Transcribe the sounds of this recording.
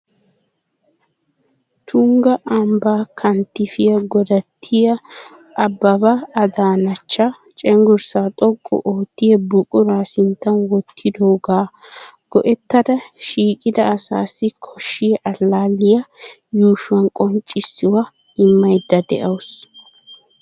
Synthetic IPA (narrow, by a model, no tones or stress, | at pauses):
t̪ʰʊŋɡɐʔɐmbaːkʰɐnt̪ːɪfɪjɐɡɔd̪ɐt̪ʰːɪjɐː | bːɐbɐːd̪aːnɐt͡ʃːa | t͡ʃʼɛŋɡʊɾsaːt̪ʼɔkʼːɔ̰ʔoːt̪ːɪjɛbʊkʼʊɾaːsɪnt̪ːɐnwɔt̪ʰːɪd̪oːɡaːɡ̥ɔʔɛt̪ːɐd̪ɐʃiːkʼɪd̪ɐːsa̰ːsːɪkʰɔʃːɪjʔɐlːaːlɪjɐjuːʃʊwɐnkʼɔnt͡ʃʼːɪsːɪwɐ | ɪmːɐjd̪ːɐd̪ɛ̰ʔɐws